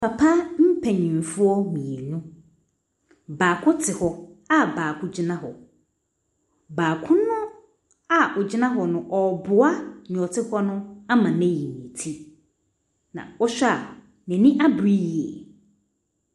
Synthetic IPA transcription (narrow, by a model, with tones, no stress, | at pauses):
pʰa˨pʰa˦m̩˦pʰɛ˨ɲĩ˨m˨fʊ˦ɔ˦mĩ˨e˨nũ˦ | baː˨kʰʊ˦tʰɪ˨hɔ˨a˦baː˨kʰʊ̃˦d͡ʑɪ˦nã˦ɦɔ˨ | baː˨kʰʊ̃˦nʊ̃˦ | a˦ʔʊ˨d͡ʑɪ˦nã˦ɦɔ˨nʊ̃˨ʔɔ˨bʊ˨a˦ɲɔ˨tʰɪ˦hɔ˦nʊ̃˦a˦mã˨nɛ̃˦ji˨nĩ˨tʰi˦ | nã̰˨ɔ˦ɕᶣa˨ | nɛ̃˨nĩ˦ʔa˦bɾi˦ji˨ɛ̰˨